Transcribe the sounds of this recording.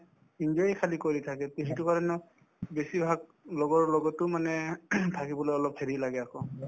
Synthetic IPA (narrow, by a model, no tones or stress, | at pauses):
ind͡ʒɔɹikʰalikoɹitʰakɛteɦitukaɹɔnɔ | besibʱaɡ̚ | lɔɡɔɹlɔɡɔtːʊmanɛtʰakibɔlojɔlɔpheɹilaɡɛakɔ